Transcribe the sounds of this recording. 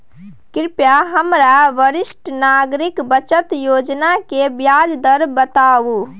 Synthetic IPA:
kiɾpjaɦəmɾaʋəɾisʈʰnaɡɾikbət͡ʃət̪jod͡ʒnakebjad͡ʒd̪əɾbət̪abu

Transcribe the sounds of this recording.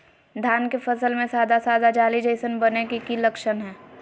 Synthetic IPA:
d̪ʱjaːnkefəsəlmẽsaːd̪asaːd̪ad͡ʒaːlid͡ʒəɪsənbənekikiləkʃənɦɛː

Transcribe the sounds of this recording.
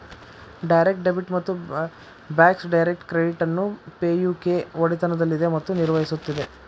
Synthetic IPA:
ɖɐjɾek̚ʈ̚ɖebʱiʈmɐt̪ːu | baːksɖɐjɾek̚ʈkɾeɖiʈɐnːupeːjuːke̞oɽit̪ɐnɐd̪ɐlːid̪e̞mɐt̪ːuniɾʋɐɦisut̪ːid̪e̞

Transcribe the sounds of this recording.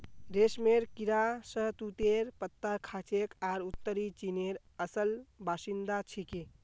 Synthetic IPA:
ɾesmeɾkiɾasəɦt̪ut̪eɾpət̪ːaɾkʰat͡ʃekaɾut̪ːəɾit͡ʃineɾ | əsəlbasind̪at͡ʃʰiki

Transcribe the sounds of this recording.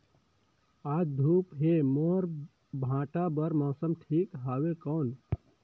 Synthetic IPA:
aːd͡ʒd̪ʱuːpɦemoːɾ | bʱãːʈabəɾmɔːsəmʈʰiːkɦaːwekɔːn

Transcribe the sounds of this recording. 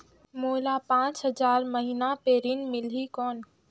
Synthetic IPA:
moːlapãːt͡ʃɦɐzaːɾmɐɦiːnapeːɾinmɪlikɔːn

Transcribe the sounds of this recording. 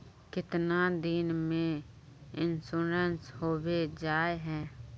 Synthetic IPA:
kɪt̪nad̪ɪnmẽ | ɪnsuːɾənshoːwed͡ʒaːeɦɛ̃ː

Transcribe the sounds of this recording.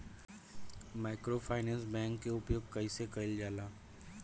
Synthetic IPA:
maːɪkɾopʰaːɪnɛ̃ːnsbɛ̃ːŋkːeʊpjoːɡ̚kɐisekɐɪld͡ʒaːlaː

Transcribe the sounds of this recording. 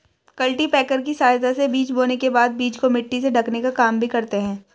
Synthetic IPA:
kɐlʈipɛːkəɾkisaːjt̪asebiːt͡ʃboːnekebaːd̪̚biːt͡ʃkomɪʈːiseɖʱɐknekakaːmbʱikɐɾt̪eɦɛ̃ː

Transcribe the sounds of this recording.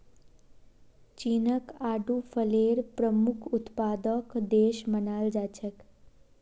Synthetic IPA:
t͡ʃiːnəkaːɖufʰəleːɾpɾəmukʰʊt̪paːd̪əkd̪eːʃmənaːld͡ʒaːt͡ʃʰək

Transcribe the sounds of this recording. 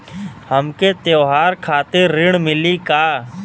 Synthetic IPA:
həmket̪oːɦaːɾkʰaːt̪ɪɾːɪɽ̃mɪlikaː

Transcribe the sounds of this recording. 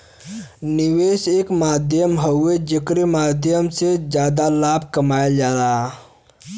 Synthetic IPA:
niweːseːkmaːd̪ʱjəmɦəed͡ʒəkɾimaːd̪ʱjəmsed͡ʒjaːd̪alaːb̚ʱkəmaːeld͡ʒaːɾaː

